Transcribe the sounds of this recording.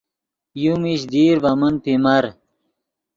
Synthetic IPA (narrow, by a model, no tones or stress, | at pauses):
jumiɕd̪iːɾvɐmənpimɐɾ